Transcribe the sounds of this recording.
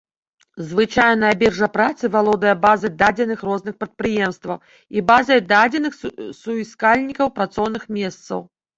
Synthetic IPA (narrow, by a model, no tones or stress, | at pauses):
zvɨt͡ʂajnɐabʲɛrʐɐpɾat̪sɨvalˠɔd̪ɐjɐbazɐjd̪ad͡zʲɛnɨxrɔznɨxpɾɐt̪̚pɾɨjɛmst̪vɐw | ibazɐjd̪ad͡zʲɛnɨxsuiskalʲnʲikɐwpɾat̪sɔwnɨxmʲɛst̪sɐ̰w